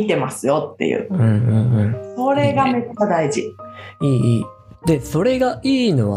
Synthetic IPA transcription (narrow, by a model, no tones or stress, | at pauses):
it̪e̞masɨjo̞t̪ːe̞̰jɯ̰ːɯ̟̃ːɴɯ̟̃ɴɯ̟̃ɴso̞ɾe̞ɡametakad̪aiʑiiːiː | d̪̥e̞so̞ɾe̞ɡaʔiːno̞βa̰